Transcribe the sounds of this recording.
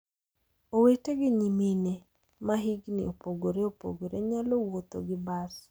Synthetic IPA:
oweteɡɪɲimine | maɦiɡnɪ̰opoɡoɾeopo̰ɡoɾeɲalowot̪o̰ɡɪbas

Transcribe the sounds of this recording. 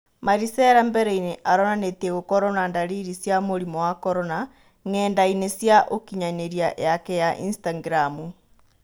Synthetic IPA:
maɾisɛɾambɛɾɛineʔaɾɔnanetieɣokɔɾonandaɾiɾisjamoɾimɔwakɔɾɔna | ŋɛːndainesjaʔokiɲaɲeɾiajakɛjaʔḭnstaŋɡɾamu

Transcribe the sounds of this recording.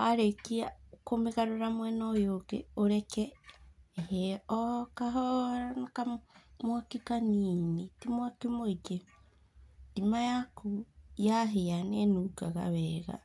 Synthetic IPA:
aɾekiakomeɣaɾoɾamwɛnɔjoɡḛoɾɛkɛː | heɔkaɦɔanakamwakikaniːnitimwakimoid͡ʒe | dimajakujaɦejanɛnukaɣa̰βɛɣa̰

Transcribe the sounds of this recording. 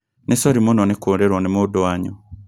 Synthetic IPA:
nesoɾimunonekuɾeɾonemudoaɲo̰

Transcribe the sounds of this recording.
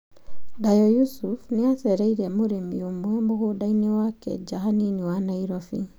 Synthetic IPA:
dajɔjusufneaθɛɾaiɾɛmoɾemḭomwɛmoɣodainiwakɛ̰d͡ʒaɦaniniwanaiɾɔfi

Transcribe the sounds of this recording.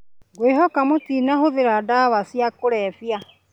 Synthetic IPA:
ɡweɦɔkamotiːnaɦoðeɾadaβasjakoɾɛfja

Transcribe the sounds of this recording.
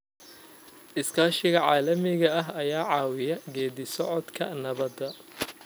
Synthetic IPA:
ʔɪskʰaːʃɪɣɐʕɑːlɐmɪɣɐɐɦɐjaːʕɑːwɪjɐɡɛːðɪsɔʕɔd̪kʰɐnɐβɐd̪ɐ

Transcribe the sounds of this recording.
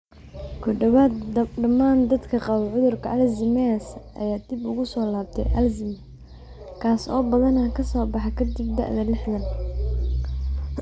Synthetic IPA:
kʰɔɖɐwaːd̪ɖɐmaːnd̪ɐd̪kʰɐqɑwʕʊðʊrkʰɐʔɐlzɪmɛsʔɐ̰jaːd̪̥ɪbʊɣʊsɔːlaːb̚t̪ʰɛ̰jʔɐlzɪm | kʰaːsɔ̰ːbɐðɐnɐkʰɐsɔːbɑħɑkʰɐd̪ɪb̚d̪ɐ̰ʔðɐlɪħðɐn

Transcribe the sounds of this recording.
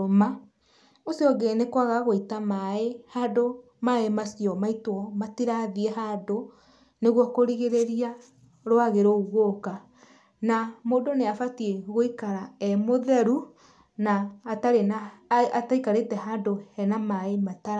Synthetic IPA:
oma | osiɔɡenekwaɣaɣoitamaehado | maemasiɔmaitwɔmatiɾaðieɦado | neɣwɔkoɾiɣeɾeɾia | ɾwaɣeɾoɣoka | namoːdoneafatieɣoikaɾaɛmoðɛɾu | naːtaɾenaataikaɾetɛɦadohɛnamaemataɾa

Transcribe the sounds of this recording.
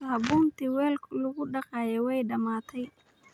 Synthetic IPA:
hɐbuːnt̪ʰiwɛːlkʰlʊɣʊɖɑqɑːjɛwɛjɖɐmaːt̪ʰɛj

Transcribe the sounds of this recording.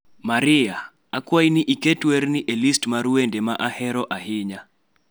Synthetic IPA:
maɾɪa | akwajnɪʔiketwernɪʔelistmaɾwendemaʔahɛɾɔʔahɪɲa

